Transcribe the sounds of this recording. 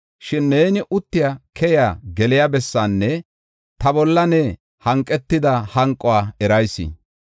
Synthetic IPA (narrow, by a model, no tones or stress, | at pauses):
ʃɪnːeːnɪʔʊt̪ːɪjakʰɛjaːɡɛlɪjabɛsːaːnːɛ | t̪ɐbɔlːɐnɛ | hɐŋkʼːɛt̪ːɪd̪ɐhɐŋkʼːɔwaːɛɾɐjsːɪ̰